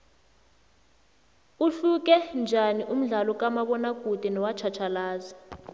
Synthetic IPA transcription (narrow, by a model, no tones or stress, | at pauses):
uɬuk̬ɛnd͡ʒʱaniʔum̩ɮalɔk̬ʼamaɓɔnaɡ̥ʱud̥ʱinɔwat͡ʃʰat͡ʃʰalaːza